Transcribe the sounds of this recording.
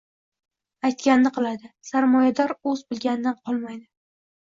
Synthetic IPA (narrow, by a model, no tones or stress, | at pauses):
ajt̪̚kʲannɪqʰɨlˠad̪ɪsaɾmɒjad̪ɒɾɵzbɪlˠɡʲanɪd̪anqʰɒlˠmajd̪ɪ